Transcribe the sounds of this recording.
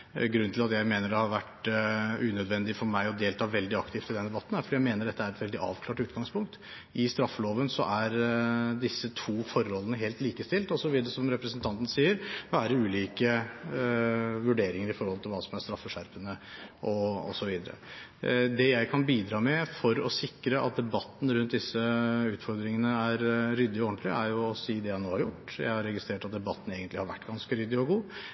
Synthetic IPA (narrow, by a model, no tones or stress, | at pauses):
ɡɾʉnːt̪ʰɪlɑt̪jæɪmeːnəɖɛhɑɾʋæʈ | ʉːnœd̪ʋɛnd̪ɪfɔɾmæɪɔd̪eːlt̪ʰɑːʋɛld̪ɪɑkt̪ʰɪːft̪ɪld̪ɛnd̪ɛbɑt̪ːn̩hæɾfɔɖiːjæɪmeːnəɖɛt̪ːəæɾɛt̪ʋɛld̪ɪʔɑ̰ːʋkʰlɑːʈʉːt̪ɡɑŋspʰʊŋk̚t̪ | ʔɪst̪ɾɑfːəloːʋənsɔ̰ʔæɾd̪ɪsːət̪ʰuːfɔɾːɔlːənəɦeːlt̪liːkəst̪ɪlt̪ɔsɔʋiːd̪əɾəsɔmɾɛpɾəsənt̪ʰɑnt̪n̩siːəɾʋæːɾəʉːliːkə | ʋʉɖeːɾɪŋəɾɪfɔɾhɔlt̪ʰɪlʋɑːsɔmæɾst̪ɾɑfːəʂæɾpənəʔɔɔ̰sɔʋiːd̪əɾə̰ | d̪ɛjæɪkʰɑnbiːd̪ɾɑːmɛfɔɾɔsɪkːɾəʔɑ̰t̪̚d̪ɛbɑt̪ːn̩ɾʉnt̪̚d̪ɪsːəʉːt̪fɔɾd̪ɾɪŋənəæɾɾʏd̪ːɪɔɔɳt̪ʰlɪæɾjʊɔsiːd̪ɛjænoːhɑɾjʊʈːjæ̰ɪhɑɾɛɡɪst̪ɾeːʈɑt̪̚d̪ɛbɑt̪ːn̩eːɡənt̪lɪhɑɾʋæʈːɡɑnskəɾʏd̪ːɪɔɡuː